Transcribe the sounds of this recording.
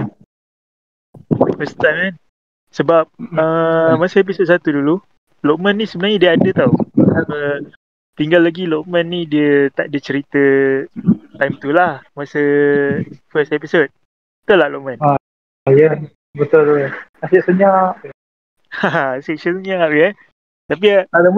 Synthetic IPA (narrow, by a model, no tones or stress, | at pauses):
fəst̪aŋan | səbap̚əmasəep̬isod̚sat̪udulu | loʔ̚mə̃nːisəbənarɲadiəadət̪awaə | t̪iŋɡalːaɡiloʔ̚mə̃nːidiət̪aʔ̚diət͡ʃəɾit̪ə | t̪ajmt̪ulahmasə | fəst̪episod̚ | t̪əlahloʔ̚məna | aja | bət̪ʊlasiʔsəɲaʔ | asesənsɲapjɛ | t̪ap̬iala